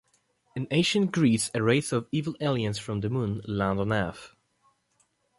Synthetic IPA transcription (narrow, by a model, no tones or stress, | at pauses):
ɨ̃nẽɪʃɨ̃nɡ̥ɹisɨɹeɪsʌvivəl̩ˠeɪlˠiɨ̃nsfɹʌ̃mðəmũnlæ̃ndə̃nɛf